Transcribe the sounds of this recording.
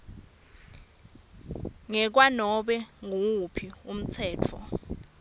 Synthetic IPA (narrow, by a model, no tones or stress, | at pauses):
ŋɛk̬wanɔɓɛŋoupʰium̩t͡sʰɛːt͡fʰɔ̰